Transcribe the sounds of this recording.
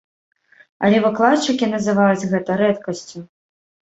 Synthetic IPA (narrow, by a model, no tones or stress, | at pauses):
ɐ̰lʲɛvɨklˠat̪t͡ʂːɨkʲinɐzɨvajud͡zʲɣɛt̪ɐɾɛt̪kɐsʲt͡sʲu